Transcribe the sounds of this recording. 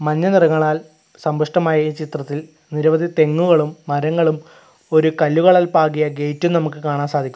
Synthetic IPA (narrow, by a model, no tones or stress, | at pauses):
mɐnːɐnirɐŋːɐɭaːl | sɐmbuʂʈɐmaːjɐt͡ɕit̪rɐt̪ːil | niɾɐʋɐd̪ʱit̪e̞ŋːuɣɐɭumːɐɾɐŋːɐɭum | o̞ɾukɐlːuɣɐɭɐlpaːɣijɐɡe̞jtːumnɐmukːɨkaːɳaːnsaːd̪ʱikʲːu